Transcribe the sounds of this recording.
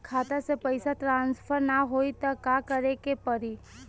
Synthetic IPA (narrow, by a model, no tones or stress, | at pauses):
kʰat̪asepəjsat̪ɾãnsfʰəɾnaɦoit̪akakəɾekepəɾi